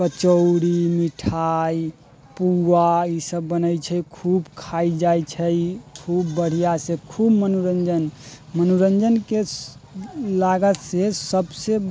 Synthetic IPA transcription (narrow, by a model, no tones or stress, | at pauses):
kət͡ʃəʊɽimiʈʰaj | puaisəbːənəjt͡ʃʰəjkʰubkʰaid͡ʒajt͡ʃʰəjkʰubːəɽ̤ijasekʰubmənuɾənd͡ʒənmənuɾənd͡ʒənke | laɡət̪sesəbse